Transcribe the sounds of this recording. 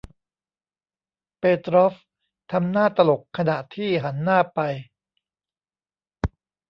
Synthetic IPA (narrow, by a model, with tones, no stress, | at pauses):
peː˧t̪ɾɔ˦˥f | t̪ʰa˧mnaː˥˩t̪a˧lo˨˩kʰa˧na˨˩ʔt̪ʰiː˥˩ɦa˩˦nːaː˥˩pa˧j